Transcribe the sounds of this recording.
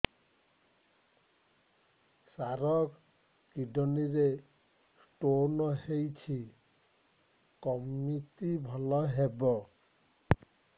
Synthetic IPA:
saɾɔk | kiɖɔniɾe | sʈonɔhejt͡ʃʰi | kɔmːit̪ibʱɔlɔɦebɔ

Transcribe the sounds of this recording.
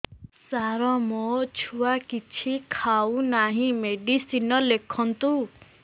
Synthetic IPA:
saɾɔmɔt͡ʃʰuwakit͡ʃʰikʰaunaɦĩmeɖisinɔlekʰɔnt̪u

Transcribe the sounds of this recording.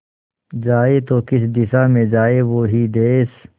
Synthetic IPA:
d͡ʒaːet̪oːkɪsd̪ɪsamẽd͡ʒaːeʋoːɦid̪eːs

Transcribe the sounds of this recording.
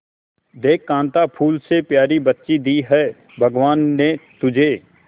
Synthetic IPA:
d̪eːkːãːnt̪apʰuːlsepjaːɾibətːʃid̪iːɦɛː | bʱəɡʋaːnːet̪ʊd͡ʒʱeː

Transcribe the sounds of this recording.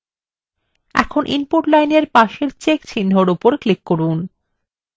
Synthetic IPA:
ɛ̰kʰonʔinpoʈlajneɾpaʃeɾt͡ɕekt͡ɕʰinːʱoɾupoɾklikːoɾun

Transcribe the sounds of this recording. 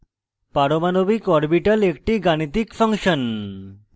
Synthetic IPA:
paɾomanobikɔɾbiʈalek̚ʈiɡanit̪ikfʰəŋʃən

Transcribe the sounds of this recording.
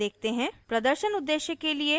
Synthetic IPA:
eːk̚ʰt̪eɦɛ̃pɾɐd̪əɾʃənʊd̪ːeːʃjəkːelie

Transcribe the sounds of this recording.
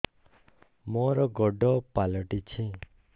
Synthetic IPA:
mɔɾɔɡɔɖɔpalɔʈit͡ʃʰĩ

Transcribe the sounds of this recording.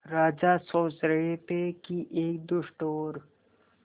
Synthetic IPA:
ɾaːd͡ʒasoːt͡ʃɾɐɦet̪ekiʔeːkd̪ʊʃʈoːɾ

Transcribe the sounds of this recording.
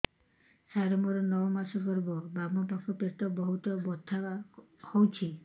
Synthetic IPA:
saɾɔmɔɾɔnɔwmasɔkɔɾbɔbamɔpakʰɔpet̪ɔbɔɦut̪ɔbɔt̪ʰːaahowt͡ʃʰi

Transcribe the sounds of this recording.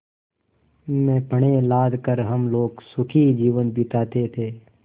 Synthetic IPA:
mẽːpəɽ̃elaːd̪ʱkəɾɦəmloːɡsʊkʰid͡ʒiːʋənbʱit̪aːt̪et̪ʰeː

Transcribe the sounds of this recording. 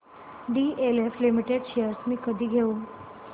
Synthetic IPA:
ɖiːeleflimiʈeɖɕejəɾsmiːkəd̪ʱiːɡʱeuːn

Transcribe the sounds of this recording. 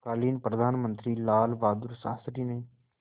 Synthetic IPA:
kaːliːnpɾəd̪ʱaːnmənt̪ɾiːlaːlʋaːd̪ʊɾsã̰ːst̪ɾiːneː

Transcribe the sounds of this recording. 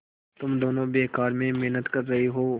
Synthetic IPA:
t̪ʊmd̪oːnõbeːkaːɾmẽmeɦnət̪kɐɾːɐɦiɦoː

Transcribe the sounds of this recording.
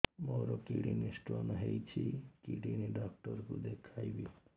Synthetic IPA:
moɾɔkḭɽḭnisʈɾɔnɦejt͡ʃʰikiɽiniɖɔkʈɔɾkud̪ekʰajbi

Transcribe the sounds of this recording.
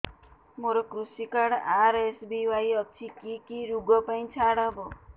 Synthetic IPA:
moɾokɾusikaɽaɾesbiʋajɔk̚t͡ʃʰikikiɾuɡɔpaĩt͡ʃʰaɽabɔ

